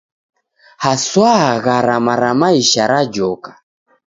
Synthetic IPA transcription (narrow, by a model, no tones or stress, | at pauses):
haswaɣaɾamaɾamaiʃaɾad͡ʒɔkḁ